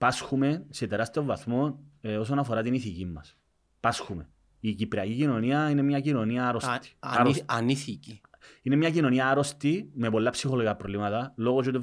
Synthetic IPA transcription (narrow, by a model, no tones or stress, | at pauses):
pasxume̞se̞t̪eɾɐst̪io̞vːɐθmo̞no̞sonɐfo̞ɾɐt̪iniθicimːɐs | pɐsxume | icipɾeɐcicino̞niɐine̞mɲɐcino̞niɐɾost̪i̥ɾsniθiciinemɲɐcino̞niɐɐɾo̞st̪ime̞po̞lːɐpsixoloɣɐpɾolimɐt̪ɐlo̞ɣos̬ot̪e